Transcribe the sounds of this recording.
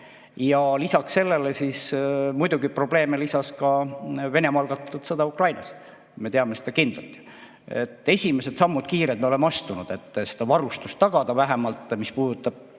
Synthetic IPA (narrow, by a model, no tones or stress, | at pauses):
jɑlisɑkse̞lːe̞lesismujd̪uɡipro̞b̥le̞ːmelisɑskɑve̞ne̞mɑɑlɡ̥ɑt̪ːˑut̪sɤd̪ɑukrɑjnɑs | me̞t̪eɑme̞sed̪ɑkind̪lɑlt̪ːˑi̥ | ḛt̪ːˑe̞sʲime̞sed̪sɑmːud̪̥̚kiːɾet̪meolemːeɑst̪unud̪̥e̞t̪ːˑse̥d̪ɑvɑɾust̪ust̪ːɑɡ̥ɑd̪̥ɑvæɦemɑlt̪ːˑmispuːd̪ut̪ːˑɑb̥̚